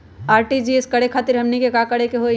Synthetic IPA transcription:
aːɾʈid͡ʒieskəɽekʰaːt̪iɾɦəmnikekakəɽekeɦo

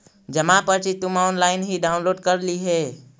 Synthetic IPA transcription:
d͡ʒəmapəɾt͡ʃit̪umaonlaːɪnɦiɖaʊnloːɖkəɾliɦe

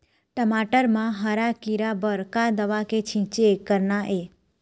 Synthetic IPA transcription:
ʈəmaʈəɾmãɦəɾakiɾabəɾkad̪əʋaket͡ʃʰĩt͡ʃekəɾnaʔe

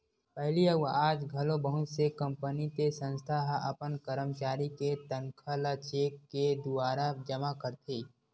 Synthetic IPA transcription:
pɛɦliəaːd͡ʒɡʱɐlõbəɦʊt͡ʃsekə̃mpənit̪esə̃nst̪ʰaɦɐ̰pənkəɾəmt͡ʃaːɾiket̪əŋkʰəlat͡ʃeːkːed̪ʊaːɾad͡ʒəmakəɾt̪ʰeː

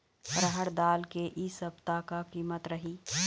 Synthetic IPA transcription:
ɾəɦəɽd̪aːlkeʔiːsəbt̪akakiːmət̪ɾɐɦiː

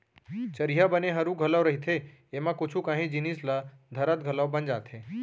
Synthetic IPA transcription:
t͡ʃəɾijabəneɦəɾuɡʱələwɾəɦit̪ʰeemãkʊt͡ʃʰukãːɦĩd͡ʒinislad̪ʱəɾət̪̚ɡʱələwbənd͡ʒaːt̪ʰeː

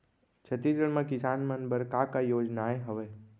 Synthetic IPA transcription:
t͡ʃʰət̪id͡ʒəɽmãkɪsanmənbəɾkakajoːd͡ʒnaeɦəʋe

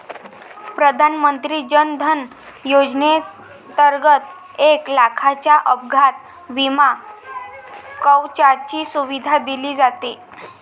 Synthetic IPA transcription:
pɾəd̪ʱanmənt̪ɾiːd͡ʑənd̪ʱən | jod͡zne | t̪əɾɡət̪ | eklakʰat͡ɕjaʔəb̚ɡʱat̪̚ | ʋima | kəwt͡ɕat͡ɕiːsuʋid̪ʱad̪iliːd͡zat̪e

